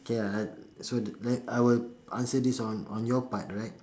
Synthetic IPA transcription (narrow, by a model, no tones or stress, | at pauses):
keasodlɛtajwilʔã̰nsədisɔ̃nɔ̃njɔpat̚ɹaɪt̚